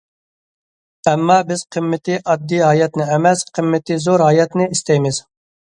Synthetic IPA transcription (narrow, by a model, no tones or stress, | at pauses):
ɛmːɑːbɪz̥qʰəmːɪt̪ʰɪʔɑd̪ːijɦɑːjɛt̪nɪɛmɛsqʰəmːɪt̪ɪzoɾɦɑːjɛt̪nɪist̪ɛjmɪz̥